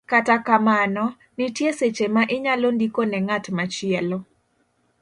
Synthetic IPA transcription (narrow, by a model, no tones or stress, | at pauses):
katakamanɔ | nɪtjeset͡ʃemaʔɪɲalondikonɛŋatmat͡ʃɪɛlo